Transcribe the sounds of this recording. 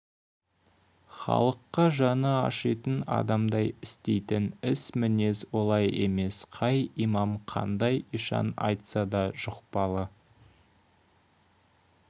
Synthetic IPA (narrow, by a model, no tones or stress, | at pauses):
χɑ̰lˠəqːɑʒɑnɑɑ̰ʃijt̪ənɑ̰d̪ɑmd̪ɑjɪst̪e̞jt̪ɪnɪsmɪne̞swo̞lˠɑje̞̰me̞sqʰɑjimɑmqʰɑ̰nd̪ɑjiʃɑ̰nɑ̰jt̪sɑd̪ɑʒʊqpɑlˠə